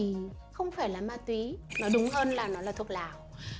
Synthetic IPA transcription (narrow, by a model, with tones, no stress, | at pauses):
i˨˩xə˧wŋ͡mfaː˧˩jlaː˨˩maː˧t̪wi˨˦nɔ˨˦ɗʊ˨˦ŋ͡mɦəː˧nlaː˨˩nɔ˨˦laː˨˩t̪ʰək̚laː˧˨˩w